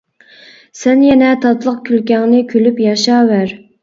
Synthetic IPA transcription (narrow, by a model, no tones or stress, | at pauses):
sɛnjɛnɛt̪ʰɑt̪lˠəq̚kʲʰylkʲɛŋnɪkʲʰølypjɑʃɑːwæɾ